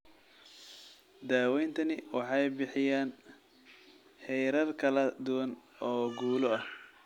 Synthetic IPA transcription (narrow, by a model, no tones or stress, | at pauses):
d̪aːwɛjnt̪ʰɐnɪwɑħɑjbɪħɪjaːn | ħɛjɾɐrkʰɐlɐd̪ʊwɐnɔːɡuːlɔɐh